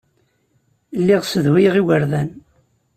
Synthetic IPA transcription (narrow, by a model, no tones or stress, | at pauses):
lːiʁsəðhiʁiwəɾðæn